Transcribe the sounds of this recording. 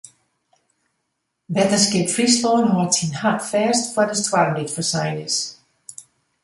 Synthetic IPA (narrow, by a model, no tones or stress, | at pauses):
bɛtəskɪtfrislɔːnɦɔthinhatfɛːstfwɔdəstʰwaɾnditfəsajnəs